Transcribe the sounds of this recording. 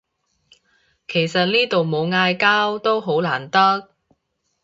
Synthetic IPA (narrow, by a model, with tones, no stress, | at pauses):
kʰe˨˩jsɐ˨t̚niː˥t̪o˨wmo˨˧wŋaː˧jkaː˥wt̪o˥wɦo˨˥wlaː˨˩nt̪ɐ˥k̚